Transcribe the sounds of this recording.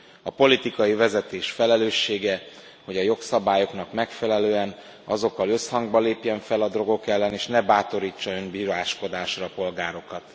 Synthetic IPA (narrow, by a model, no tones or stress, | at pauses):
ɒpo̞lit̪ikɒjivɛzɛt̪eːʃfɛlɛløːʃːeːɡɛ | ho̞ɟɒjo̞ksɒbaːjo̞knɒkmɛkfɛlɛløːɛn | ɒzo̞kːɒlø̞shɒŋɡbɒleːpjɛɱfɛlɒd̪ro̞ɡo̞kɛlːɛneːʃnɛbaːt̪o̞ɾiːt͡ʃːɒømbiːɾaːʃko̞d̪aːʃrɒːpo̞lɡaːɾo̞kɒt̪